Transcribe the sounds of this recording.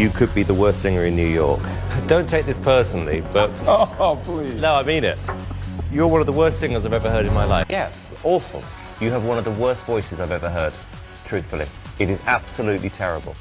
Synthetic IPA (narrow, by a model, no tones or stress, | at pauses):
jɨkʰɨd̚biðəwɜ˞stsɪ̃ŋə˞ɨ̃nːjʉjɔ̰ɹkd̥õʊ̃ntʰeɪk̚ðɪspʰɜ˞sn̩l̩ˠḭb̥ʌt̚blinoʊaɪmĩnɪt̚jə˞wʌ̃nʌvðəwɜ˞stsɪ̃ŋə˞zaɪvɛvəɦɜ˞ɾɨ̃nmaɪlaɪjæ | ɔlˠsə̰̃m | jɨːvwʌ̃nʌvðəwɜ˞stv̥ɔɪsɨzaɪvɛvəɦɜ˞d̥̚ | tʰɹ̥ʉˑθfəl̩ˠḭ | ɨɾɪzab̥səlʉʔlitʰɛɹəbə̰lˠ